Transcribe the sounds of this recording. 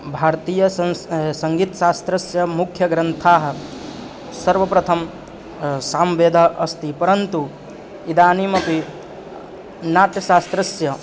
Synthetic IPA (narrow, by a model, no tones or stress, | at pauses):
bʱaːɾt̪iːjɐsɐŋɡiːt̪ɐʃaːst̪ɾɐsjɐmukʰjɐɡɾɐnt̪ʰaːɦɐ̆ | sɐɾʋɐpɾɐt̪ʰɐm | saːmʋeːd̪ʱaʔɐst̪ipɐɾɐnt̪u | id̪aːniːmɐpi | naːʈ̪jɐʃaːst̪ɾɐsjɐ